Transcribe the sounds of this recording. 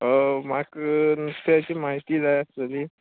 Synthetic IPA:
ɦəmaknəst̪eat͡ɕiːmaɦit̪iːd͡zajasd͡zəliː

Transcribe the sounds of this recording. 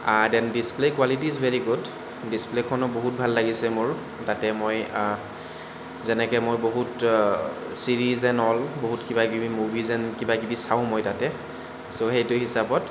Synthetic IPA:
adɛndisplekwalit̬iːzbʱɛɹiɡud | displekʰɔnɔboɦut̚bʱalːaɡisɛmʊɹ | tatɛmoj | zɛnɛkɛmojboɦut | siɹizɛnɔlboɦutkibaɡibimubʱizɛnkibaɡibisaʊ̃mojtatɛ | soxejtʊɦisabɔt

